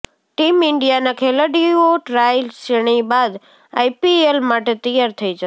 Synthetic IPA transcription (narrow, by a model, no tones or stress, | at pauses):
ʈimɪɳɖijanakʰeləɖioʈɾajlseɽ̃ibad̪ | a̰jpielmaʈet̪əjaɾt̪ʰəid͡ʒə